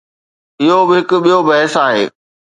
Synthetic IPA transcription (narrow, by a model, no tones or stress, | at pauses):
ɪɦobɪɦɪkʊ̆ɓijobɐɦɪsaːɦḛː